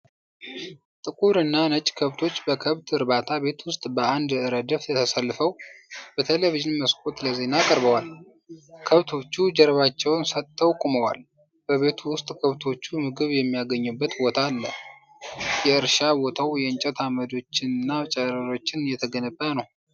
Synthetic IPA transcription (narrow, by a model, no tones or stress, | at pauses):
t̪ʼɨkʼuɾɨnːanət͡ʃʼkʰəβt̪ʰo̞t͡ʃːbəkʰəβt̪ʰɨɾbat̪ʰaβe̞t̪wʊst̪ʼbəʔand̪ɨɾəd̪əfɛt̪ʰəsəlːɨfəwbət̪ʰeləviʒɪnməskʼot̪ləze̞nakʼəɾbəwal | kʰəβt̪ʰo̞t͡ʃːud͡ʒɛɾβat͡ʃːɛwnsət̪ʼːəwkʼuməwa̰l | b̥əβe̞t̪ʰuwʊst̪ʼkʰəβt̪ʰo̞t͡ʃːumɨɡɨβjɛmːijaɡəɲːɨbːət̪bo̞t̪ʰalːə | jɛɨɾʃabo̞t̪ʰawjɛɨnt͡ʃʼɛt̪ʰaməd̪o̞t͡ʃːɪnɨnːat͡ʃʼəɾəɾo̞t͡ʃːɪnjɛt̪ʰəɡənəbʼːənəw